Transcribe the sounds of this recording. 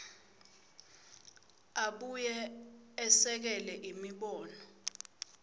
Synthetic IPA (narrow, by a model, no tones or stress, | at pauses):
aɓujɛː | sɛk̬ɛlɛʔimiɓɔːnɔ